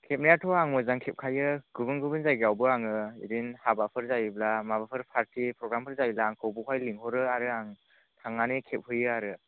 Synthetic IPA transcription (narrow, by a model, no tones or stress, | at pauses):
kʰep̚nijatʰɔaŋmɯzaŋkʰep̚kʰajɯɡ̥ubɯnɡubɯnzajɡiawbɯaŋɯiɾinhabapʰɯɾzajiblamabapʰɯɾpʰaɾtipɾɔɡɾampʰɯɾzajilaːŋkʰɯwbukʰajliŋhɔɾɯaɾɯaŋ | tʰaŋːanikʰep̚hɯjɯaɾɯ